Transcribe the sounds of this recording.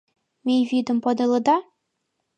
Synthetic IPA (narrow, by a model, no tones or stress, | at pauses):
mʲejvʲid̪ɤ̆mpɤd̪ɤ̆lˠɤ̆d̪ɑ